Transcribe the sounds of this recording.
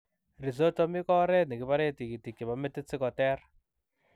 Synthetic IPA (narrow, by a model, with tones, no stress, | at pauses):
ri˨zo˦tɔ˦mi˦kɔ˦ɾɛ˦ni˨ki˨pa˦ɾe˦ti˨ki˨ti˨ki˨βa˨mɛ˦ti˦t͡si˦kɔ˨tɛː˦ɾa